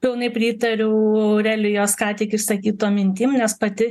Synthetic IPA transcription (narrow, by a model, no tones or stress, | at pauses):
pʲɪlˠnɐɪpʲɾʲiːt̪ɐɾʲʊʊɐʊɾʲɛlʲʊjoːskɑːt̪ʲiːkɪʃsɐkʲiːt̪oːmʲɪnʲt̪ʲiːmnʲɛspɐt̪ʲɪ